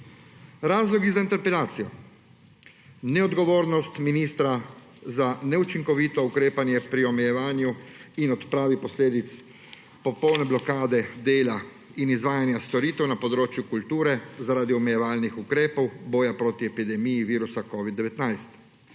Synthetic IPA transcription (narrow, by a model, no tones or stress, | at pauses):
ɾaːzlɔɡizaint̪ɛɾpɛlaːt̪sijɔ | nɛɔd̪ɡɔʋoːɾnɔst̪miniːst̪ɾazanɛut͡ʃiŋkɔʋiːt̪ɔukɾeːpanjɛpɾiɔmɛjɛʋaːnjuinɔt̪pɾaːʋipɔsleːd̪it̪s | pɔpɔwnɛblɔkaːd̪ɛd̪eːla | inizʋaːjanjast̪ɔɾiːt̪ɛwnapɔd̪ɾoːt͡ʃjukult̪uːɾɛzaɾaːd̪iɔmɛjɛʋaːlnixukɾeːpɔwbɔːjapɾoːt̪iɛpid̪ɛmijiʋiːɾusakɔːʋid̪ːɛʋɛt̪najst̪